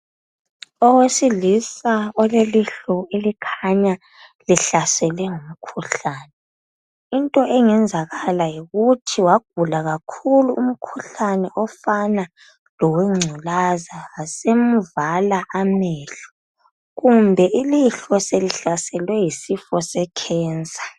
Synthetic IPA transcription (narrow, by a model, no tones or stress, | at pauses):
ɔwesilisaɔleliɬɔelikʰaaɲa | liɬasɛlɛŋum̩kʰuɬaːnɛ | intʼɔʔɛŋɛnd͡zʱaɣalajiɣutʰiwaɡ̥̚ʱulaɣakʰuluum̩kʰuɬanɛʔɔfana | lɔwɛŋ͡ǀʱulazaasemuvalaʔamɛːɬɔ̥ | ɣumbʱɛʔiliɬɔseliɬasɛlwɛjisifɔsɛkʰɛːnt͡sʼḁ